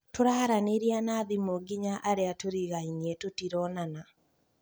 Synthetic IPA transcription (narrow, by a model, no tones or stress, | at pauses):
toɾahaɾaneɾianaːðimoɡiɲaʔaɾeatoɾiɣainiɛtotiɾɔnana